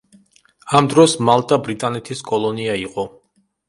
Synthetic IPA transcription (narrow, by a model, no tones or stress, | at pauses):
amd̪ɾɔsmalˠt̪ʼabɾit̪ʼanɛt̪ʰiskʼɔlˠɔniaiqʼɔ